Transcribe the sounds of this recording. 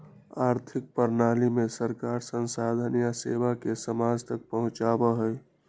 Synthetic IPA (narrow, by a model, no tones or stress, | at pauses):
aːɾt̪ʰɪk̚pəɾnaːlimẽsəɾkaːɾsənsaːd̪ʱənijasḛːʋakesəmaːd͡ʒt̪ək̚pəɦʊ̃t͡ʃaːbəɦəj